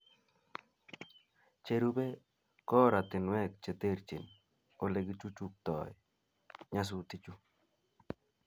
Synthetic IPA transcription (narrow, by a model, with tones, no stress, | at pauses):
t͡ʃe˨ɾu˦be˦ | kɔ˦ɾa˨t̪ɪ˨nwɛ˦k̚t͡ʃe˨t̪e˦ɾt͡ʃḭ˨n | o˨le˨ɡi˦t͡ʃu˦t͡ʃu˦k̚t̪ɔ˨ɪ | ɲa˦s̬ʊ˦t̪i˦t͡ʃu˦